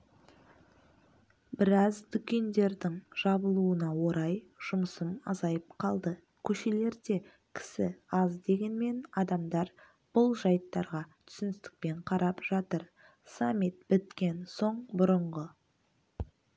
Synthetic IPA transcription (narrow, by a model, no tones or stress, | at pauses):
bɪɾɑzd̪ʏkʲe̞nd̪e̞ɾd̪ɪŋʒ̥ɑbəlˠuənɑwo̞ɾɑjʒ̥ʊməsəmɑ̰zɑjəpqʰɑlˠd̪ə | kʲʰɵʃe̞le̞ɾd̪e̞ | kʲʰɪ̥sɪɑzd̪e̞ɡʲe̞nme̞nɑd̪ɑmd̪ɑɾ | b̥ʊlˠʒɑjt̪ːɑɾʁɑt̪ʰʏ̥sɪnɪst̪ɪ̥k̚pe̞ɴqʰɑɾɑpʒ̥ɑt̪əɾ | samːit̪̚bɪt̪kʲe̞nso̞ɴbʊɾəɴʁə